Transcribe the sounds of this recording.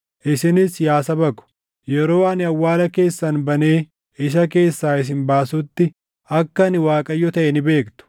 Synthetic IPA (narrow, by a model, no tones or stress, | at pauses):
ʔɪsɪnɪsjaːsɐbɐkʊ̥ | jɛɾoːɐnɪɐwːaːlɐke̞ːsːɐnbɐne̞ː | ɪʃ̬ɐke̞ːsːaːɪs̬ɪnbaːsʊt̪ːɪ | ɐkːɐnɪwaːkʼɐjːɔt̪ɐʔɛnɪbe̞ːkt̪ʊ̥